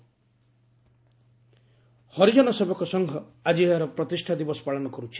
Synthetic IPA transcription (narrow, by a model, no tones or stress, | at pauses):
hɔɾid͡ʒɔnɔsebɔkɔsɔŋɡʱɔad͡ʒieaɾɔpɾɔt̪isʈʰad̪ibɔsɔ̥paɭɔnɔkɔɾut͡ʃʰi̥